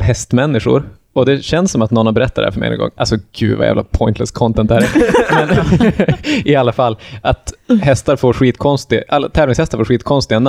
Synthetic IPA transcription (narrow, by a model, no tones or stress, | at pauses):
ɦɛst̪mɛnːɪɧʊ̰ɾ | ɔd̪ɛɕɛnsːɔmat̪nɔnːabɛɾɛt̪ʰːat̪hæ̰fœɾmɛ̰ɪ̰nɛ̰nɡɔ̰ŋːʔa̰lsɔɡ̥ʉ̟ːd̪va̰jæ̰ːvla̰pʰɔɪnt̪lɛskʰɔnt̪ɛnt̪ːhæɾmɛn | ɪalːafalːʔat̪ɦɛst̪aɾfoːɾɧiːt̪kʰɔnst̪ɪʔalːat̪ʰɛːvlɪŋshɛst̪aɾfoːɾɧiːt̪̚kʰɔnst̪ɪɡɛnːa